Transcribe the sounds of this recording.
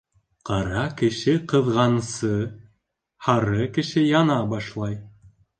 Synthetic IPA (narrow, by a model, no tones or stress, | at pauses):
qɑɾɑkɘ̆ʃɘqɤ̆ðʁɑnsɤ | hɑɾɤkɘ̆ʃɘjɑnɑbɑʃlˠɑj